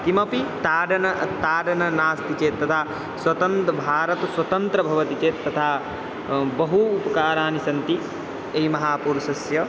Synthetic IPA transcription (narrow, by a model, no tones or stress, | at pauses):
t̪imɐpit̪aːɖɐnɐt̪aːɖɐnɐnaːst̪it͡ʃeːt̪ːɐt̪ʰaː | swɐt̪ɐnt̪ɐbʱaːɾɐt̪ɐswɐt̪ɐnt̪ɾɐbʱɐʋɐt̪it͡ʃeːt̪ːɐt̪ʰaː | bɐɦuːpɐkaːɾaːnisɐnt̪i | eimɐɦaːpuːɾʃɐsjɐ